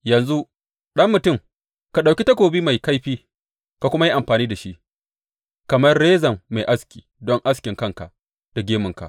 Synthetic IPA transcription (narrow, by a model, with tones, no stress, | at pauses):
jɐ˨nzu˦ | ɗɐ˦mːʊ˨tʊ˦˨m | ka˨ɗa˨wkʲi˦tɐ˦kʷoː˨biː˦ma˨jka˦jɸiː˦ | ka˨kʷʊ˦ma˦ji˦ʔa˨mɸaː˨niː˦da˨ʃi˦ʔ | kɐ˨mɐ˦rɽeː˦zɐ˨mːa˨jʔa˦skʲiː˨dɔ˦ŋʔa˦s̬kʲɪ˨ŋkɐ˦˨ŋka˨ʔ | d̥a˨ɡʲeː˦mʊ˨ŋka̰˨ʔ